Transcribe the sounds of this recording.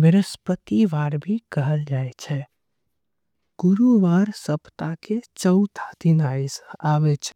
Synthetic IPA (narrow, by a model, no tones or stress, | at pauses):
ʋəɾəspət̪iʋaːɾbʱikəɦəld͡ʒaːet͡ʃʰɛ | ɡ̥ʊɾuʋaːɾsəpt̪aket͡ʃəʊt̪ʰad̪inaːsaʋet͡ʃʰ